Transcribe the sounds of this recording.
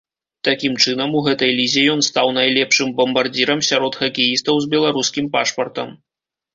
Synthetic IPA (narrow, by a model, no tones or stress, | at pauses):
t̪akʲimt͡ʂɨnɐmuɣɛt̪ɐjlʲizʲɛjɔnst̪awnajlʲɛpʂɨmbɐmbard͡zʲiɾɐmsʲaɾɔt̪xɐkʲɛjist̪ɐwzbʲɛlˠaɾuskʲimpaʂpɐrt̪ɐm